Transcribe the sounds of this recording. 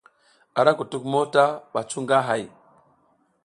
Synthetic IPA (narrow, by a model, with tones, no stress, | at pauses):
a˨ɾa˦ku˨tu˦kmo˦ta˦ɓa˨t͡ʃu˦ŋɡa˦ɦa˨j